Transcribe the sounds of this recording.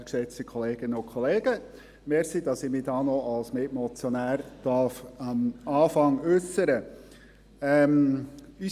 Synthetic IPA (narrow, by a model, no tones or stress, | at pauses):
ksɛt͡stikʰɔleːɡ̥ɪnəʊkʰɔleːɡ̥ə | meːɾsid̥ɑsɪmiːdɑːnɔʔɑlsmɪtmɔt͡sjɔnæːɾd̥ɑɾfɑmɑːfɑŋʉsəɾə | ɛmi